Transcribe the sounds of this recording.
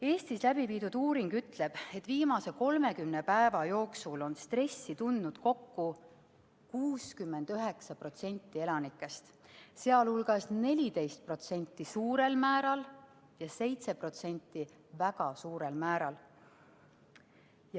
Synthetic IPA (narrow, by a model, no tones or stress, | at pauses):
e̞ːst̪islæbiviːd̪ud̪̥uːɾiŋɡ̥yt̪le̞b̥e̞t̪ːˑviːmɑse̞ko̞lme̞kymne̞pæevɑjo̞ːksulo̞nst̪re̞sːit̪und̪nud̪̥ko̞kːu | kuːskymːe̞nd̪̥yɦe̞ksɑpro̞t̪se̞nʲt̪ːˑie̞lɑnikːˑe̞st̪se̞ɑlhulɡ̥ɑsne̞lʲit̪e̞jst̪̚pro̞t̪se̞nʲt̪ːˑisuːɾe̞lmæːɾɑl | jɑse̞jt̪se̞pro̞t̪se̞nʲt̪ːˑi | væɡ̥ɑsuːɾe̞lmæːɾɑl | j